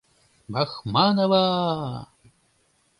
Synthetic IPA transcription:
baxmanɐwa

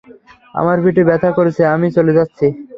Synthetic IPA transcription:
a̰maɾbiʈibɛt̪ʰakoɾet͡ɕʰeamit͡ɕoled͡ʑatːɕʰi

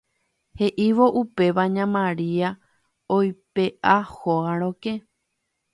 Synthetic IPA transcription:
he̞ʔiʋo̞ʔupe̞ʋaɲãmãɾia | ojpe̞ʔahoaɾ̃õke

